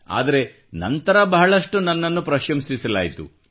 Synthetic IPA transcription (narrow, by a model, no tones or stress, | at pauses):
a̰ːd̪ɐɾe̞ | nɐ̰nt̪ɐɾɐbɐɦɐɭɐʂʈunɐnːɐnːupɾɐʃɐmsisɐlaːjit̪ṵ